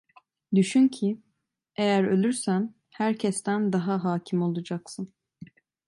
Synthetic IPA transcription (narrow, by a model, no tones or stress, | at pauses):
d̪yʃyncʰi | ejæɾø̞̰lʲyɾsæn | hæɾcʰɛst̪ænd̪aɦaɦaːcʰimo̞lˠud͡ʒaksɯn